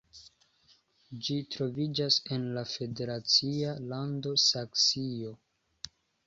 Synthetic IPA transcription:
d͡ʒitɾo̞vid͡ʒase̞nlafe̞de̞ɾat͡sialando̞saksio̞

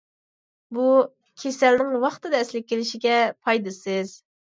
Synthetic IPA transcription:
bu | kʲʰesælnɪŋwɑχt̪ɨd̪ɨɛslɪk̚ʲʰːelɪʃiɡʲɛpʰɑjd̪ɨsɨz̥

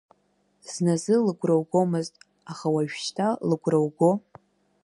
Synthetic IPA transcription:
z̥nazɨlɨɡʷrowɡʷo̞mɨztʼ | aχawaʒᶣʃtʰalɨɡʷrowɡo̞

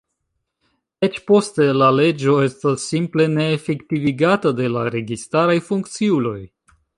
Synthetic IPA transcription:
et͡ʃpo̞ste̞lale̞d͡ʒo̞e̞stasːimple̞ne̞ːfektiviɡatade̞laɾe̞ɡistaɾajfuŋkt͡siulo̞j

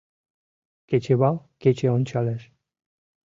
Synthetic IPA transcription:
ket͡ʃeβawket͡ʃeonʲt͡ʃales

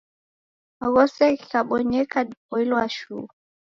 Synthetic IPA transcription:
aɣɔsɛkikaɓɔɲɛkaɗpɔilɔaʃuː

